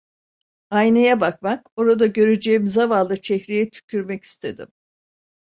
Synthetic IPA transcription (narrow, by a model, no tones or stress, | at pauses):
ajnajabakmako̞ɾad̪aɟø̞ɾyd͡ʒeːimizavalˠɯt͡ʃʰɛçɾejɛt̪ʰy̥cʰyɾmɛci̥st̪ʰe̞d̪ḭm